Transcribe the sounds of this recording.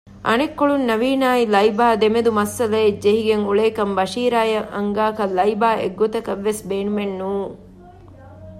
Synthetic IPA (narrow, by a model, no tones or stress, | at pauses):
ɐ̰nekːoɭunːɐʋiːnaːjlɐjbaːd̪emed̪umɐsːɐlɐd͡ʒeɦiɡeŋuɭeːkɐmbɐʂiːɾaːjɐʔɐŋɡaːkɐlɐjbaːʔḛɡːut̪ɐkɐʋːesbeːnumenːuː